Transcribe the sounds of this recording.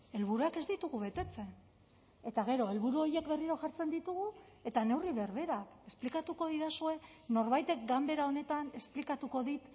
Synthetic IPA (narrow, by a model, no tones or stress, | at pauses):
e̞lβuɾuake̞zd̪it̪uɣuβe̞t̪e̞t͡se̞n | e̞t̪aɣe̞ɾo̞e̞lβuɾuo̞je̞kbe̞riɾo̞ʝaɾt͡se̞nd̪it̪uɣ̞u | e̞t̪ane̞wriβe̞ɾβe̞ɾake̞splikat̪uko̞ðiðasue̞ | no̞ɾβajt̪e̞k̚ɡambe̞ɾao̞ne̞t̪ane̞splikat̪uko̞ðit̪